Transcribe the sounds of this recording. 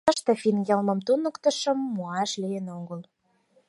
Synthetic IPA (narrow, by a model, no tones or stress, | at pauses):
ə̆ʃt̪ɤ̆finjəlmə̆mt̪unə̆kt̪ə̆ʃə̆mːuɑʃlijenoɡəl